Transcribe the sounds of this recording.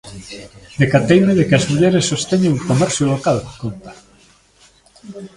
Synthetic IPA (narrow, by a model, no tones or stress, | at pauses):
d̪ekat̪ejmeðekɪɐzmuʎɛɾesːost̪eɲeŋukomɛɾθjulokalkont̪ḁ